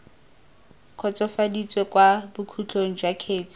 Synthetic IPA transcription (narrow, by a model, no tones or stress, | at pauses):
kʰɔt͡sʼɔfadit͡sʼwekʼwabʊkʰut͡ɬʰoŋ̩d͡ʒwakʰeːt͡sʼi̥